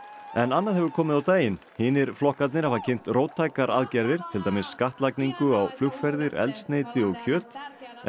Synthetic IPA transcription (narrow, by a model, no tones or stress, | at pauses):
ɛnanːaðhɦɛvʏɾkʰɔːmɪðawt̪aːjɪn | hiːnɪɾ̥flɔhkat̪nɪɾafacʰejn̥t̪roːwt̪ʰːaːjkaɾʔa̰ðcɛɾðɪɾ̥t̪ʰɪlt̪aːjmɪsːkaht̪lajkniŋkʏawflʏxfɛɾðɪɾɛ̰lt̪st̪neːjt̪ɪɔɣcʰœːt̪